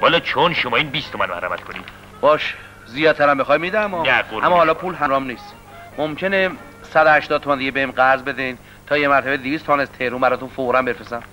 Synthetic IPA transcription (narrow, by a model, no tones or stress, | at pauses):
hɒːlɒt͡ʃʰonʃomɒːiːnbist̪ʰomænmæhɾæmæt̪kʰoniːd̪̥ | b̥ɒːʃ | zijɒːd̪̚t̪ʰæɾæmbexɒjmid̪æmɒnæɡoæmːɔhɒlɒːpʰuːlɦæɾɒmniːs | momcʰene | sæd̪ohæʃt̪ɒːd̪̚ʰoænd̪iɟebeimɡæɾzbe̞d̪en | t̪ʰɒːjemæɾt̪ʰæbed̪iviːst̪ʰomænæzt̪ʰeɾuːmbæɾɒːt̪unfoɾæmbefɾesæn